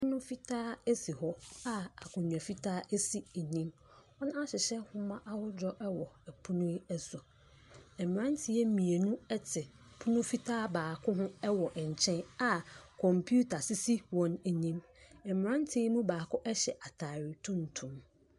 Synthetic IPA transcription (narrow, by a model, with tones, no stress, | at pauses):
ʊ˦nʊ̃˦fi˦tʰaː˦æ˦si˨hɔ˦a˦a̰˨kʰʊ̃˨ɲũ˨a˨fi˦tʰaː˦ʔæ˦si˨ɛ˨ɲĩ˦m | ɔ˦nã˦a˦ɕɪ˨ɕɛ˦hʊ̃˦mã˦ʔa˦wʊ˦d͡ʑᶣɔ˦ʔɛ˦wɔ˨ɛ˨pʰu˦nʊ̃˦ɛ˦sʊ˨ | ɛ˨m˨ɾã˦n˦tʰɪ˨ɛ˦mĩ˨e˨nũ˦ɛ˦tʰɪ˨ | pʰʊ˦nʊ̃˦fi˦tʰaː˦baː˨kʰʊ˦ɦʊ̃˦ɛ˦wɔ˨ʔɛ˨ɲ̩˨t͡ɕʰɛ̃˦na˦kʰɔ̃˨mpʰu˦tʰa˨sɪ˦si˦wɔ̃˨n˨ɲĩ˦m | ɛ˨m˨ɾã˦n˦tʰɪ˦mũ˦baː˨kʰʊ˦ʔɛ˦ɕɛ˨ʔa˨tʰa˨ɾɪ˨tʰʊ̃˦n̩˨tʰũ˨m